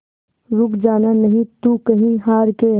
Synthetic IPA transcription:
ɾʊkd͡ʒaːnanɐɦĩt̪ukɐɦĩɦaːɾke

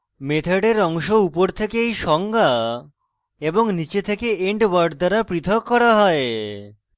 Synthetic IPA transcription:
met̪ʰeɖeɾɔŋʃoupoɾt̪ʰekeejʃɔŋɡa | eboŋnit͡ɕet̪ʰekeeɳʈbaɾɖ̚d̪aɾapɾit̪ʰokːɔɾaɦɔe

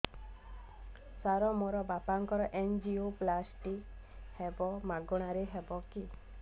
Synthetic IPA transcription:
saɾɔmoɾɔbapaŋkɔɾɔʔend͡ʒioplasʈi | hebɔmaɡɔɽ̃aɾeɦebɔki

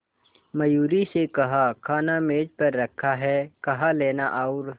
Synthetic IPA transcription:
mɐjuːɾisekɐɦakʰaːnameːd͡ʒpɐɾːɐkʰːaɦɛkɐɦaleːnaʔaʊɾ

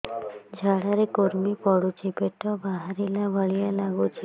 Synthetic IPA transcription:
d͡ʒʱaɽaɾekoɾmipɔɽut͡ʃʰipeʈɔbaɦaɾilabəɭijalaɡut͡ʃʰi

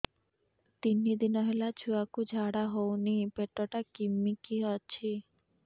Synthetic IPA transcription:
t̪inːid̪inɔɦelat͡ɕʰuakud͡ʑʱaɽaɦownipeʈːɔʈakimːikiɦɔt͡ɕʰi

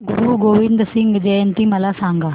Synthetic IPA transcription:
ɡuɾuɡoʋind̪ɾəsiŋɡd͡ʒent̪iməlasãŋɡaː

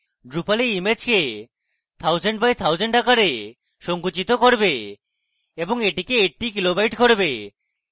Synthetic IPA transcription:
ɖɾupaleimed͡ʑke | t̪ʰawd͡ʑeɳʈbajt̪ʰawd͡ʑeɳʈakaɾe | ʃoŋkut͡ɕit̪okoɾbe | eboŋeʈikeeʈ̚ʈikilobajʈkoɾbe

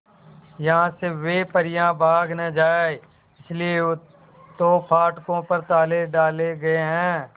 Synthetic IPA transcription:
jɐɦãseʋepəɾɪjãbʱaːɡnɐd͡ʒaːe | ɪslie | t̪oːpʰaːʈkõpɐɾt̪aːleɖaːleɡɐeɦɛ̃ː

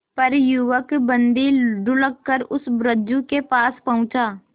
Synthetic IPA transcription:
pɐɾjʊʋəkbə̃nd̪iɖʊlək̚kəɾʊsbɾəd͡ʒukepaːspɐɦʊ̃t͡ʃaː

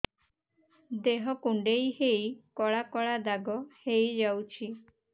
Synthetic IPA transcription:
d̪eɦɔkuɳɖejhejkɔɭakɔɭad̪aɡɔhejd͡ʒawt͡ʃʰi

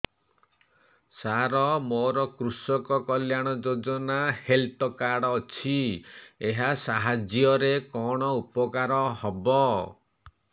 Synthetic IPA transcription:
saɾɔmoɾɔkɾusɔkɔkɔljaɽ̃ɔd͡ʒod͡ʒɔnahelt̪ɔkaɽɔːt͡ʃʰieɦasaɦad͡ʒjɔɾekɔɽ̃ɔupɔkaɾɔhɔbɔ

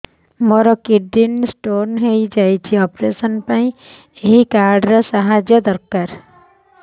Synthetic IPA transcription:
moɾɔkidinsʈoːɾnɦeid͡ʒaːit͡ʃʰiɔːpɾeːsənpãːĩ | eɦikaːɾɖɾasaɦaːd͡ʒjəd̪əɾkaːɾ

